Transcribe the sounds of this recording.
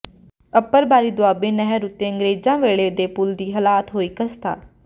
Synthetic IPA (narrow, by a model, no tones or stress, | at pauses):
əpːəɾbaːɾiːd̪ʊaːbeːnəɦəɾʊt̪ːeːə̃ŋɡɾeːd͡ʒãːʋeːɭeːd̪eːpʊld̪iːɦəlaːt̪ɦoːiːkəst̪a̰ː